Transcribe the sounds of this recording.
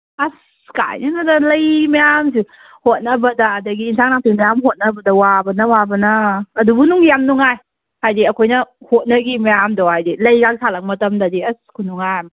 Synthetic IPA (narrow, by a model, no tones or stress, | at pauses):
as | ka̰jnɐnadalɐjmejamsi | hot̚nɐbɐdɐːdɐɡiːnsʰaŋnaŋ̚tʰimajamɦot̚nɐbɐdɐwabɐnɐwabɐnɐːdubunuŋjamnuŋaj | hajdiɐkʰojnɐhot̚nɐɡimejamdɔhajdilɐjɡak̚sʰalak̚mɐtɐmdadiɐskʰunuŋajm